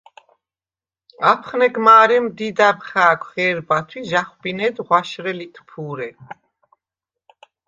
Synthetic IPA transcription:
apʰχnɛɡmaːɾɛmd̪id̪abχaːkʷʰχɛːɾbat̪ʰwiʒaχwbinɛːd̪ʁwaʃɾɛlit̪ʰpʰuɾɛ

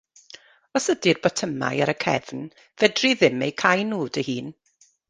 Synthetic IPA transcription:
ɔsədirbɔtʰəma̰jaɾəkʰɛ̰vn | vɛdriðɪmejkʰajnuːdəhiːn

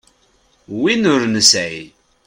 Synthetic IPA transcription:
winʊɾnəsæi

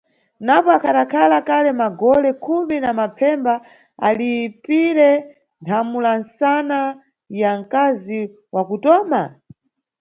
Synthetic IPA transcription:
napɔakʰaɗakʰalakalɛmaɡɔlɛkʰuminamapʰɛmba | alipiɾɛ | ntʰamulansana | jaŋ̩kazi | wakutɔːma

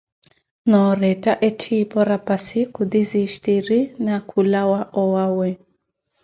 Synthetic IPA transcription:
nɔɾɛtaʔɛtʰipɔɾapasikud̪iziʃtiɾinakʰulawaʔɔwawɛ

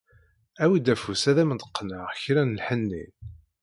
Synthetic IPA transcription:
æwid̪æfusæðæmənt̪ə̥qːnəʁçɾænəlħənːḭn

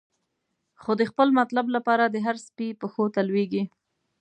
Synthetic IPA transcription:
xod̪əxpəlmat̪lablapɑɾad̪əɦaɾspipəxot̪alweɡi

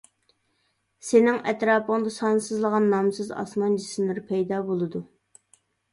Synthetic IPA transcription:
senɪŋʔɛt̪ɾɑːpəŋd̪ɑsɑnsɨzlˠəʁɑnːɑmsɨzɑ̰smɑnd͡ʒisɪnɪɾpʰɛjd̪ɑːbolˠɨd̪u

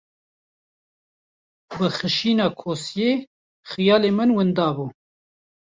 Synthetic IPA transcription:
bɨxɨʃiːnɑːkʰoːsjeː | xijɑːleːmɨnwɨnd̪ɑːbuː

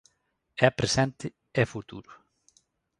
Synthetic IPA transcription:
ɛpɾesɛ̃nt̪ɪ | ɛfut̪uɾʊ

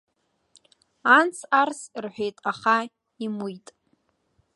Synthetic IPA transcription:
ant͡sʰarsrħʷᶣejtʼaχa | imujtʼ

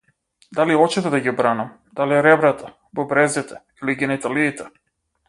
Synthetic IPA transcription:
d̪aliɔt͡ʃɛt̪ɛd̪aɡibɾanam | d̪aliɛɾɛbɾat̪ʰa | bɔbɾɛzit̪ɛ | iliɡɛnɛt̪aliːt̪ɛ

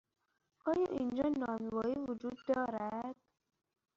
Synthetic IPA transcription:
ʔɒːjɒ̰ːʔind͡ʒɒːnɒːmevɒːiːvod͡ʒuːd̪ːɔːɾæd̪̥̚

